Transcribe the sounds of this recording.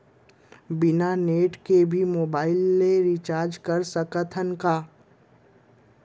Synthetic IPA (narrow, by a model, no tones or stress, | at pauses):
bɪnaneːʈkebʱimoːbaːɪlmeɾit͡ʃaːɾd͡ʒkəɾsəkət̪ʰənkaː